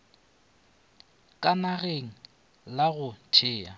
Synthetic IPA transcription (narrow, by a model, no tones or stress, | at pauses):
kʼanaɣeŋ̩ | laɣʊt͡ʃʰɪːa̰